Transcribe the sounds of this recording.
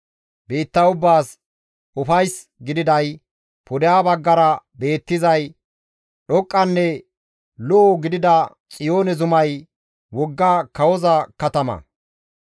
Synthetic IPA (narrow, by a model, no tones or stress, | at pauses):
beːt̪ːɐʊbːaːs | ʔʊfɐjs | ɡɪd̪ɪd̪ɐj | pʰɔd̪ɪjaːbɐɡːɐɾɐbe̞ːt̪ːɪzɐj | ɗɔkʼːɐnːɛ | lɔʔːɡɪd̪ɪd̪ɐ | t͡sʼɪjo̞ːnɛzʊmɐj | wɔɡːaːkɐwɔzɐkɐt̪ɐmɐ̰